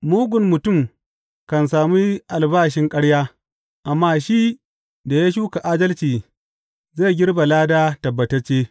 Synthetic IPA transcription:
muː˦ɡʷʊ˨mːʊ˨tʊ˦˨m | kɐ˨ns̬aː˨miː˦ʔa˨lbaː˦ʃɪ˦ŋkʼɐ˦ɽjaː˦ | ʔa˨mːaː˦ʃi˦ | da˨ja˦ʃ̬uː˦ka˨ʔaː˦dɐ˦lt͡ʃiː˨ | zeː˦˨ɡʲɪ˦ɽba˨laː˦daː˦tɐ˨bːɐ˨tɐ˦t͡ʃːeː˦

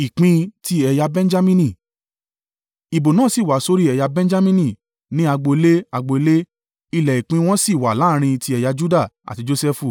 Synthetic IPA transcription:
i˨k͡pĩ˧˦ti˦ɛ˧ja˧bɛ̃˦n˦d͡ʒa˦mĩ˦nĩ˦˨ | i˨bo˨nãː˦˨si˨wa˨so˦ɾi˦ɛ˧ja˧bɛ̃˦n˦d͡ʒa˦mĩ˦nĩ˦˨ | nĩ˦a˧ɡ͡bo˧le˦a˧ɡ͡bo˧le˦ | i˧˨lɛ˨i˨k͡pĩ˧˦w̃ɔ̃˦si˦˨wa˨la˨˦˧ɾ̃ĩ˧ti˧ɛ˧ja˧d͡ʒu˦da˦˨a̰˨ti˧d͡ʒo˧sɛ˦fu˦˨

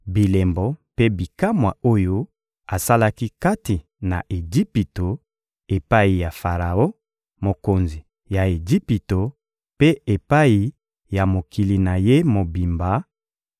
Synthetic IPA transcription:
bi˨le˨mbɔ˨pe˦bi˨ka˦mwa˨o˦jo˦ | a˨sa˦la˦ki˦ka˦ti˨ | na̰˨ʔe˨d͡ʒi˦pi˨to˨ | e˨pa˦i˨ja˨fa˨ʁa˨o˦ | mo˨ko˨nzi˨ | ja˨e˨d͡ʒi˦pi˨to˨ | pe˦e˨pa˦i˨ | ja˨mo˨ki˨li˨na˨je˦mo˨bi˨mba˨˦

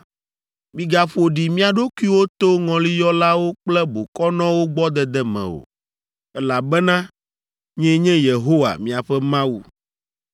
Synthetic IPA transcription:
mĩ˨ɡa˨ɸo˨ɖi˨mĩ˦a˨ɖo˦ku˦i˦wo˦t̪o˦ŋɔ̃˨li˦jɔ˦la˦wo˦k͡plɛ˦bo˨kɔ˦nɔ̃˦wo˦ɡ͡bɔ˦d̪ɛ˨d̪ɛ˦mɛ̰̃˨o̰˨ | ɛ˦la˨bɛ˦nã˦ | ɲɛ̃˦ɲɛ̃˦je˨ɦo˦wa̰˨mĩ˦a˨ɸɛ˦mã˦wu˨

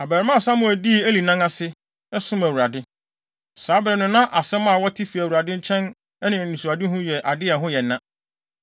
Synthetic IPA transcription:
a˨bæ˨ɾɪ˦mã˦˨sã˦mʊ̃˨æ˨di˦˨æ˦li˨nã˦ŋã˦sɪ˦ | ɛ˦sʊ̃˦mæ˨wu˨ɾa˨dɪ˦ | saː˨˦bɾɛ˨nʊ̃˨nã˦ʔa˨sɛ̃˦mã˦˨wɔ˦tʰi˦fi˨æ˨wu˨ɾa˨dɪ̃˦ɲ̩˦t͡ɕʰɛ̃˦n | ɛ˦nɪ̃˨nĩ˨su˨a˨dɪ˦ɦʊ̃˦jɛ˨ʔa˨dɪ˦ɛ˨ɦʊ̃˦jɛ˨nːã˦

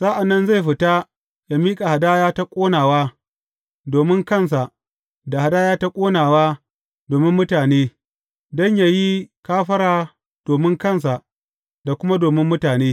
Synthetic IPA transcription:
saː˦ʔa˨nːɐ˦nza˦˨jɸɪ˨ta˦ | ja˨miː˦kʼa˨ha˨daː˦jaː˦ta˦kʷʼoː˦naː˨waː˦ | doː˨mɪ˦ŋkɐ˦˨ns̬a˨ʔ | da˨ha˨daː˦jaː˦ta˦kʷʼoː˦naː˨waː˦ | doː˨mɪ˦mːʊ˦taː˨neː˦ | dɔ˦ɲja˨ji˦kaː˦ɸɐ˦ɾaː˨ | d̥oː˨mɪ˦ŋkɐ˦˨ns̬a˨ʔ | da˨kʷʊ˦ma˦doː˨mɪ˦mːʊ˦taː˨neː˦

